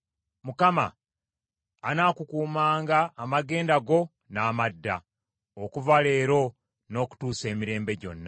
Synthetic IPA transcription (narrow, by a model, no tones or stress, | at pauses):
mukama̰ | naːkukuːmaːŋɡaːmaɡe̞ːndaɡo̞ | naːmadːa̰ | okuvale̞ːɾo̞ | no̞ːku̥tuːse̞ːmiɾe̞ːmbe̞ɟo̞̰nːa